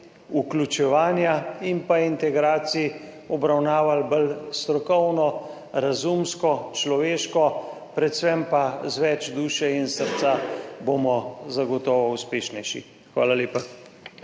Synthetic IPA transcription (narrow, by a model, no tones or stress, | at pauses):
uklʲut͡ʃɛʋaːnjaimpaint̪ɛɡɾaːt̪sii | ɔbɾawnaːʋalbəlst̪ɾɔkɔwnɔ | ɾazumskɔt͡ʃlɔʋeːʃkɔ | pɾɛt̪sʋɛmpazʋɛt͡ʃd̪uːʃɛinsəɾt̪sabomɔzaɡɔt̪ɔːʋɔuspeːʃnɛjʃḭ | xʋaːlaleːpa